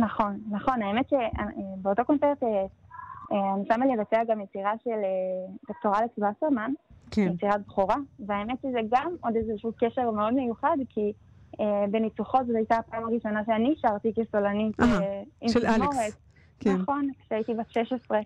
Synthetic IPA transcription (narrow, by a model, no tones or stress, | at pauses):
naχo̞nːaχo̞naemet̪ʃeabeoto̞ko̞nt͡seʁt̪e | anisamalevat͡seaɡamjet͡siʁaʃeled̪ok̚toʁalekibasaʁmankjet͡siʁabχuʁaveaemetʃezeɡamo̞d̪ezeʃukeʃe̞ʁme̞o̞d̪me̞juχadkʰi | ebe̞nit͡suχo̞tzotajtaːpaimaʁiʃo̞naʃeaniːʃaʁt̪ikesolanitimmoʁet̪ | knaχo̞nkʃeaitibatʃeʃesʁe